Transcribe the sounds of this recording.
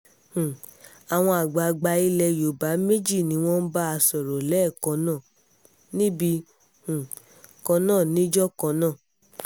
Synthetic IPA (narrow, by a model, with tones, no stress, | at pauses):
hũ˨ | a˨w̃ɔ̃˧a˨ɡ͡ba˨˧˨ɡ͡ba˧˦i˦˧lɛ˧jo˨ba˨˦me˦d͡ʒi˦˨nĩ˨˦w̃ɔ̃˦n̩˦ba˦a˧sɔ˨ɾɔ˨lɛ˦˨kɔ̃˧˦nãː˦˨ | nĩ˦bi˧ | hũ˨ | kɔ̃˧nãː˦˨nĩ˨˦d͡ʒɔ˦kɔ̃˧nãː˦˨